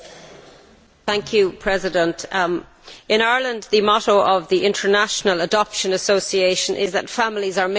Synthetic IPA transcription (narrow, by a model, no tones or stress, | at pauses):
θæ̃ŋkʰjupʰɹ̥ɛzɪdə̃ntʰ | ɪ̃naɹlə̃nd̪ðəmɔɾoʊʔəvðiʔɪ̃ntʰə˞naʃənələdɒpʃə̃nəsoʊsieɪʃə̃nʔɪ̰zðə̰tfamlizə˞m